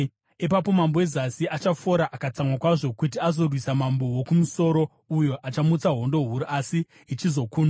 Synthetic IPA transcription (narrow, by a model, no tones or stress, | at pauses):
ipapo̞mambowezasiʔat͡ʃafo̞ɾaʔakat͡samwakwaʐo̞kutiazo̞rwisamambo̞wokumuso̞ːɾo̞ | ujo̞ʔat͡ʃamut͡saɦo̞ndo̞ɦuɾuʔasiː | t͡ʃizo̞kuːna